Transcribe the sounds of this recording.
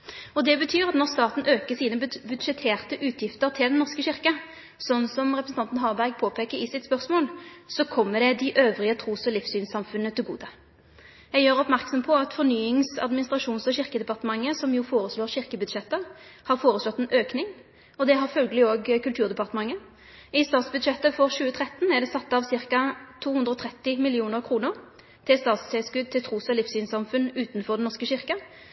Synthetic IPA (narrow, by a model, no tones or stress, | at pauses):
ɔd̪ɛbət̪ʰyːʁɑt̪nɔʁst̪ɑːt̪n̩ʔøːkəsiːnəbʉd̪ʃɛt̪ʰeːʁt̪əʔʉːt̪ʰjɪft̪əʁt̪ʰɪld̪ɛnnɔʁskəɕɪʁkə | sɔnːsɔmʁɛpɾəsn̩ʰɑnt̪n̩ɦɑːʁbæɾɡ̚pʰoːpʰeːkəɾɪsɪt̪spœʁsmoːlsɔkʰɔmːəd̪ɛd̪ɪʔøːʋʁɪət̪ʰʁuːsɔlɪfsyːnsɑmfʉnət̪ɪlɡuːd̪ə | jæɡjøːʁɔpmæʁksɔmpʰɔɑt̪fɔʁnyːɪŋsɑ̰d̪mɪnɪst̪ʁɑʂuːnsɔɕɪʁkəd̪ɛpɑʁt̪əmɑŋːəsɔmjuːfoːʁəsloːʁɕɪʁkəbʉd̪ʃɛt̪ːəhɑʁfoːʁəslɔt̪ːɛnʔøːknɪŋ | ɔd̪ɛɦɑʁfœlɡəlɪoːɡkʰʉlt̪ʰʉːʁd̪ɛpɑʁt̪əmɑŋːə | ɪst̪ɑːt̪sbʉd̪ʃɛt̪ːəfɔʁʃʉːət̪ʰʁɛt̪ːn̩æʁd̪ɛsɑt̪ːɑʋsɪʁkɑt̪ʰuːhʉnd̪ɾəɔːt̪ʰʁɛt̪ːɪmɪlɪuːnəʁkʰʁuːnəʁ | t̪ʰɪlst̪ɑːt̪sɛskʉd̪̚t̪ʰɪlt̪ʰʁuːsɔlɪfsyːnsɑmfʉnʉːt̪n̩fɔʁd̪ɛnɔʂkəɕɪʁkə